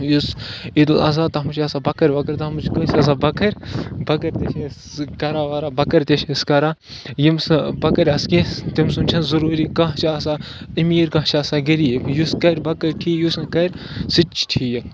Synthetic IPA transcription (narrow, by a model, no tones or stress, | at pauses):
jusid̪lɐ̰z̬aːt̪ɐɦɐmt͡ʃʰɐsaːbɐkɐɾʲʋɐkɐɾʲt̪ɐɐmt͡ʃkɐsɐs̬aːbɐkɐɾʲbɐkɐɾʲt̪eʃʲes | kɐɾaːʋaɾaːbɐkɐɾʲt̪eʃskɐɾa | jimsbɐkɐɾʲɐskĩt̪imsunt͡ʃʰɐnzɐɾuːɾiːkɐ̃ɦt͡ʃʰiːsaːimiːɾkɐ̃ɦt͡ʃʰaɐsaːɡiɾijuskɐɾʲbɐkɐɾʲʈʰiːjuskɐɾʲ | sɨt͡ʃʰʈʰiːji